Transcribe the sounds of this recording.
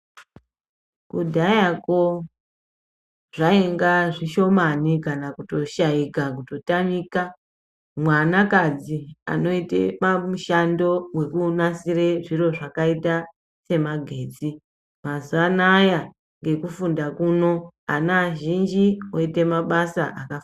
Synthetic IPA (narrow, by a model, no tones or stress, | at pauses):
kudʱajako | ʐ̥aeŋɡaʐiʃo̞manikanakuto̞ʃaikak̬uto̞tamiːka | mwanakad͡zia̰no̞itḛmamuʃando̞we̞kunasireʐiro̞ʐakaita | se̞maɡʱe̞ːt͡si | mazuanaja | ŋɡe̞kufundakuno̞a̰naʒind͡ʒioite̞maɓasa̰ʔakaf